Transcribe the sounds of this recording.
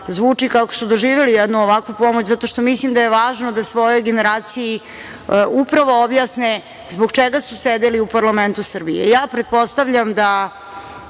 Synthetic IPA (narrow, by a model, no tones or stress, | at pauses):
zʋuːt͡ʂikako̥sud̪oʒiːʋelijɛd̪nuoʋakʋupo̞mot͡ɕzat̪o̞ʃt̪o̞mislimd̪ajeʋaːʒno̞d̪asʋo̞jo̞jɡeneɾaːt̪siji | upɾaʋo̞objasne | zboɡt͡ʃeɡasused̪eliupaɾlament̪usr̩bijḛjaːpɾet̪̚po̞st̪avʎamd̪a